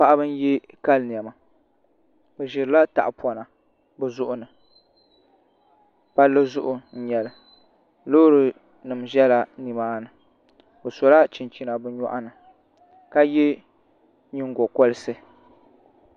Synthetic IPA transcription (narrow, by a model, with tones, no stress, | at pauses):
pa˦˨ʔa˦bɨ˦n˦jɛ˦ | ka˦ln˨ɛ˨ma˨ | bɨ˨ʒɪ˨ɾɨ˦la˦ta̰˨ʔpɔ˨na˨ | bɨ˨zʊ˦ʔʊ˦nɨ˨ | pa˦lːɨ˦zʊ˦ʔʊ˨n̩˦ɲɛ˨lɨ˨ | loː˦ɾɨ˨ | nɨ˨m˨ʒɛ˦la˨ni˨maː˦nɨ˨ | bɨ˨sɔ˨la˦t͡ʃi˨nt͡ʃi˨na˨bɨ˦ɲɔ˦ʔa˦nɨ˨ | ka˦jɛ˦ | ɲi˦ŋ˦ɡɔ˨kɔ˦lɨ˦sɨ˦